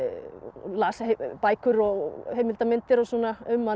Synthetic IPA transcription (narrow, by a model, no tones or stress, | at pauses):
laːspajkʏɾɔɣhejmɪlt̪amɪnt̪ɪɾɔsɔnːaʏmːa